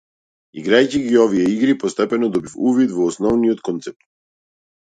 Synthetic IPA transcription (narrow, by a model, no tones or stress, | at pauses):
iɡɾajciɡiɔvijɛiɡɾipɔst̪ɛpɛnɔd̪ɔbifuvit̪vɔːsnɔvnijɔt̪̚kɔnt̪sɛp̚t̪